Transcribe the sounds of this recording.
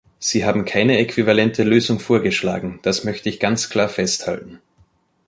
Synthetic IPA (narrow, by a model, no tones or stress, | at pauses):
z̥iːɦaːbm̩kʰaɪnəekv̥ivalɛntʰəløːzʊŋfoːɐɡəʃla̰ːɡŋ̩d̥asmœçtəɪçɡ̥ant͡skʰl̥aːɐfɛstha̰ltn̩